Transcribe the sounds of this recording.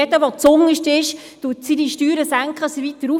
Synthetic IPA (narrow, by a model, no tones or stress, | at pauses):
ɛdəʋɔt͡sʊŋːəʃtɪʃ | tuːtsidiʃtyːɾəsæŋkχəsiʋit̪əɾu